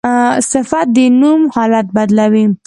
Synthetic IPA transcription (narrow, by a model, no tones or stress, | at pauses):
sɪfat̪̚d̪ənumhɑlat̪̚bad̪lawi